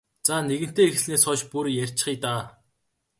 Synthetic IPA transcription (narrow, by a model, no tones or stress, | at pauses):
t͡saneɣɘ̆n̥t̪eːxsɘɮneːsɔːʃpuɾjær̥ʲt͡ɕ̆χiːt̪aː